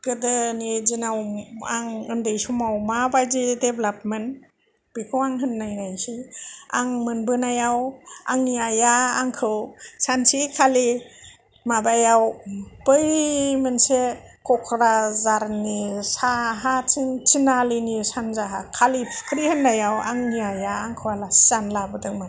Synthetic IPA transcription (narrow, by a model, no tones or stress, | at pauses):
ɡ̥ɯdɯnizinawaŋɯndɯjsumawmabajzideblap̚men | b̥ikʰɯwaŋɦɯnːajnajsia̰ŋmɯnbɯnajawaŋniajaa̰ŋkʰɯwsansikʰali | mabajawbɯjmɯnse | kʰɔkʰɾazaɾnisaɦatʰintʰinalinisanzaɦakʰali̥kʰɾihɯnːajawa̰ŋniajaaŋkʰɯwalaszanlabɯdɯŋma